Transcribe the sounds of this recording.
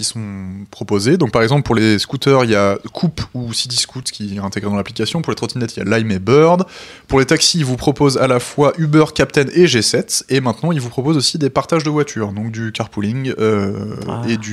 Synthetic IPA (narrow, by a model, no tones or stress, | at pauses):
isɔ̃pχɔpozed̪ɔ̃k̚paʁɛɡzɑ̃pləpuʁleskut̪œʁiljakʰupusid̪iskut̪kʲiɛɛ̃t̪eɡʁed̪ɑ̃laplikasjɔ̃puʁlet̪χɔt̪inɛt̪ilja̰lajmebœʁd̪ | puʁlet̪aksiːlvupχɔpozalafwaʔybœʁkʲap̚t̪ɛneʒesɛt̪emɛ̃t̪nɑ̃ilvupχɔpozosid̪epaʁt̪aʒd̪əvwat̪ʰyʁd̪ɔ̃k̚d̪ykaʁpulĩŋɡø | ed̪y